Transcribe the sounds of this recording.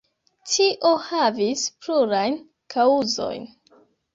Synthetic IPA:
tiʔohavispluɾajn | kʰauzo̰jn

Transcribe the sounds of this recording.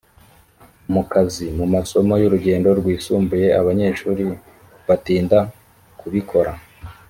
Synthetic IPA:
umukazimumaso̞mo̞juɾuɟe̞ːndo̞ɾɡwiːsuːmbuje̞aβaɲe̞ʃuːɾi | βatiːnda | kuβikʰo̞ɾa

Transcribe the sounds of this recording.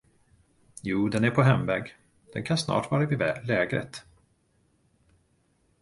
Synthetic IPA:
juːd̪ɛnæɾpʰɔɦɛmvɛːɡ | d̪̥ɛnkʰansnɑ̰ːʈvɑːɾavɪvɛlɛːɡɾə̰t̪

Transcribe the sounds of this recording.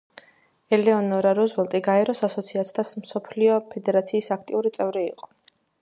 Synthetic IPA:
ɛlɛɔnɔɾaɾuzwɛlˠt̪ʼiɡaɛɾɔsasɔt̪sʰiat̪ʰi̥t̪ʰasmsɔpʰliɔpʰɛd̪ɛɾat̪sʰiːsakʰt̪ʼiuɾit̪sʼɛvɾiiqʼɔ̥

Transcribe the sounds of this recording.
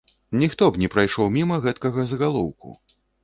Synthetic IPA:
nʲixt̪ɔbnʲɛpɾajʂɔwmʲimɐɣɛt̪kɐɣɐzɣalˠɔwkṵ

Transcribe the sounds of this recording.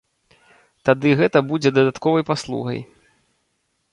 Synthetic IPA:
t̪ad̪ɨɣɛt̪ɐbud͡zʲɛd̪ɐd̪at̪kɔvɐjpaslˠṵɣɐ̰j

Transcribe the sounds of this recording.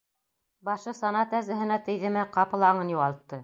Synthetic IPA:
bɑʃɤsɑnɑt̪æzɘ̆ɦɘ̆næt̪ɘ̆jðɘ̆mɘqɑpɤ̆lˠɑɴɤnjuʁɑlˠt̪ːɤ

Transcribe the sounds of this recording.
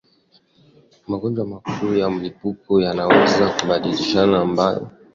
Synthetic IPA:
maɡɔnd͡ʒwamakʰujam̩lipukɔjanawɛzakuɓaɗiliʃanaːmbajɔ̰

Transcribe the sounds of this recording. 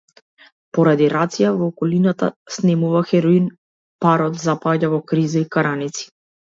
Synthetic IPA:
pɔɾad̪iɾat̪sijavɔːkɔlinat̪a̰snɛmuvaxɛɾɔin | paɾɔt̪zapaɟavɔkɾizaikaɾanit̪si̥

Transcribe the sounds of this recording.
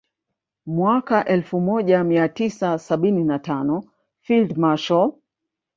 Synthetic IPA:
mwakaʔɛlfumɔʄamiatisasaɓininatanɔ | fildmaʃɔ

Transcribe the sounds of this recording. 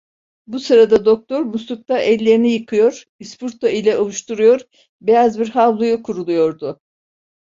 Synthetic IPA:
busɯɾad̪ad̪o̞k̚t̪ʰo̞ɾmust̪uk̚t̪ʰaʔɛlʲːe̞ɾinijɯkʰɯjo̞ɾ̥ | ispuɾt̪ʰailʲɛʔolˠuʃt̪uɾujo̞ɾ | bejazbiɾhavlˠujukʰuɾulˠujo̞ɾd̪ʊ

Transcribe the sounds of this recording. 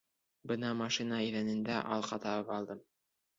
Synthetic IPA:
bɤnɑmɑʃinɑiðænɘ̆nd̪æʔɑ̰lˠqɑt̪ɑβɤpɑlˠd̪ɤm

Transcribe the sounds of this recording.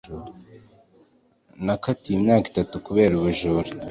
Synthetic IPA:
uɾ | nakatijimɲaːki̥tatukuβe̞ːɾuβuʒuɾo

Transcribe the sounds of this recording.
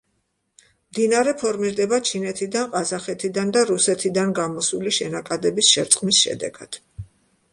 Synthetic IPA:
md̪inaɾɛpʰɔɾmiɾd̪ɛbat͡ʃʰinɛt̪ʰid̪anqʼazaχɛt̪ʰid̪and̪aɾusɛt̪ʰid̪anɡamɔsuliʃɛnakʼad̪ɛbisʃɛɾt̪sʼqʼmisʃɛ̰d̪ɛ̰ɡ̥a̰d̪̥

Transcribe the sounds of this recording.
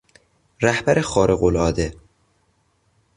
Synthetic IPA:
ɾæhbæɾʔexɒːɾʔeɣolɒːd̪e

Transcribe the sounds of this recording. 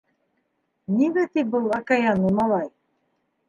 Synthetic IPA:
nimæt̪ibɤlˠɑkajɑnumɑlˠɑj

